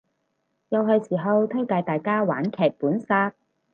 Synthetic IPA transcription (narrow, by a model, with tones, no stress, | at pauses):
jɐ˨˧wɦɵ˧ɥsiː˨˩ɦɐ˧wt̪ʰɵ˥wt̪aː˨˧jt̪aː˨˧jkaː˥waː˨˥nkʰɛː˨˩k̚puː˨˥nsaː˥k̚